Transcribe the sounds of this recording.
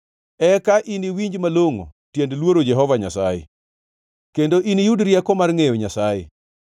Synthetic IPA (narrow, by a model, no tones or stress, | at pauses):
ɛkaʔiniwiɲd͡ʒmaloŋo̰tjendlwoɾod͡ʒɛɦɔvaɲasajḛ | kendoʔinijudɾjakɔmarŋejoɲasajḛ